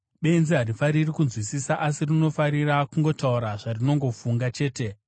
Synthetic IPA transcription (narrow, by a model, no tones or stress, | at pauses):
ɓe̞nziɦarifaɾirikunzwisisaʔasirino̞faɾirakuŋɡo̞tauɾaʐarino̞ŋɡo̞fuŋɡat͡ʃe̞ːte̞